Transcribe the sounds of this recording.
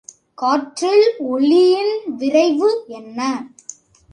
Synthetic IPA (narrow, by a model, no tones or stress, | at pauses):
kaːʈrɪɭɔɭːɪjɪnʋɪɾɐɪʋɯɛnːɐ